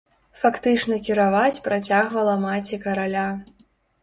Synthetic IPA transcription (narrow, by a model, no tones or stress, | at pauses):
fakt̪ɨt͡ʂnɐkʲiɾavat͡sʲpɾat͡sʲaɣvɐlˠɐmat͡sʲikɐɾalʲa